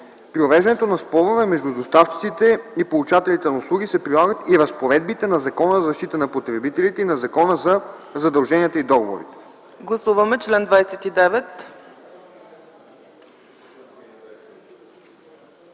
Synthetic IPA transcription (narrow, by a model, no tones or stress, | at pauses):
pɾiovɛʒd̪ɐnɛt̪onɐspɔlˠovɛmɛʒd̪ud̪ost̪aft͡ʃi̥t̪sit̪ɛipolˠut͡ʃat̪ɛlit̪ɛnɐuslˠuɡisɛpɾilˠaɡət̪iɾɐspoɾɛd̪̚bit̪ɛnɐzɐkɔnəzzɐʃt̪it̪ənɐpot̪ɾɛbit̪ɛlit̪ɛinɐzɐkɔnəzɐzɐd̪ɐlˠʒɛniət̪əid̪ɔɡovo̰ɾit̪ɛ̥ | ɡlˠɐsuvɐmɛt͡ʃlɛnd̪vajsɛt̪id̪ɛvɛt̪